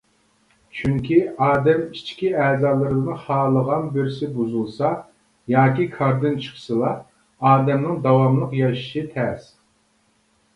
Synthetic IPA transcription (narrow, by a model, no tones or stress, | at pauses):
t͡ʃʰyŋkʲʰiɑːd̪ɛmit͡ʃkʲiɛːzɑːlˠɨɾɨd̪ɨnɨχɑːlˠəʁɑnbɪɾsɪbuzulˠsɑ | jɑːkʲikʰɑɾd̪ɨnt͡ʃʰɨ̥qʰə̥sɨlˠɑ | ɑːd̪ɛmnɨŋd̪ɑwɑmlˠəqjɑʃʃɨt̪ʰɛs